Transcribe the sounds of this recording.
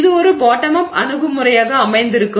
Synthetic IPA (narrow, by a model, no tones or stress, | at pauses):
ðɯɔɾɯboːʈːɐmɐpɐnɯɣɯmɯrɐjaːɣɐːmɐɪnd̪ɪɾɯkːɯ